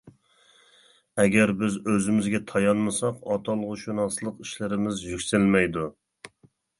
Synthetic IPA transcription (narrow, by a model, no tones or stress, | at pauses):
ɛɡʲɛɾbɪzøzɪmɪzɡʲɛt̪ʰɑjɑnmɨsɑqɑt̪ʰɑlˠəʁʊʃunɑslˠəqiʃlɪɾɪmɪzjykʲsɪlmɛjd̪u